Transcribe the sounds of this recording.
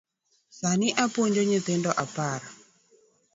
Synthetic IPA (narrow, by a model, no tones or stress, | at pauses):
sanɪʔapoɲd͡ʒoɲɪt̪endɔʔapaɾa